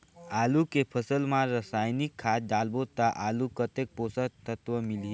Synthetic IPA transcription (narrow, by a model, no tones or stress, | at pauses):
aːlukepʰəsəlmaɾəsaːjnikʰːaːt̪̚d͡ʒaːlbot̪aʔaːlukət̪ek̚poːsət̪ət̪ʋəmɪli